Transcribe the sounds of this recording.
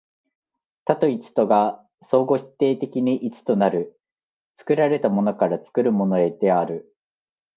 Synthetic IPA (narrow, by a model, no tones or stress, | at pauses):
t̪at̪o̞it͡si̥t̪o̞ɡa | so̞ːɡo̞çi̥t̪ːe̞ːt̪e̞kʲiɲ̟iʔit͡sɨ̥t̪o̞naɾɯ̟ | t͡sɨ̥kɯ̟ɾaɾe̞t̪amo̞no̞kaɾat͡sɨ̥kɯ̟ɾɯ̟mo̞no̞e̞d̪e̞aɾɯ̟